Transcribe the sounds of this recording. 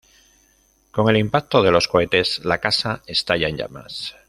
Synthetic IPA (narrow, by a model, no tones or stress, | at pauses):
ko̞ŋe̞limpak̚t̪o̞ð̞elo̞sko̞e̞t̪e̞zlakasae̞st̪aʝaenɲɟa̰ma̰s